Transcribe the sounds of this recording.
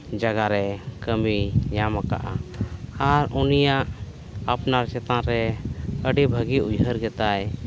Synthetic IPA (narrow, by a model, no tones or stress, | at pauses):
d͡ʒaɡaɾɛkəmiɲamaka̰ʔaaɾunijaʔ | apnaɾt͡ʃɛt̪ãɾɛəɖibʱəɡiujɦəɾɡɛt̪aj